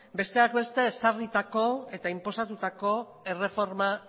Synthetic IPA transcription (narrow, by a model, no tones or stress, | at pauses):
be̞st̪e̞akbe̞st̪e̞ːsarit̪ako̞e̞t̪aimpo̞sat̪ut̪ako̞ | e̞re̞fo̞ɾma